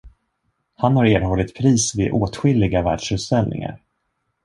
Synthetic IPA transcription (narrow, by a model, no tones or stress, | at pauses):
hanhaɾeːɾɦɔlːɪt̪pʰɾiːsvɪʔoːt̪ɧɪlːɪɡavæːɖʂɵt̪sɛlnɪ̰ŋa̰ɾ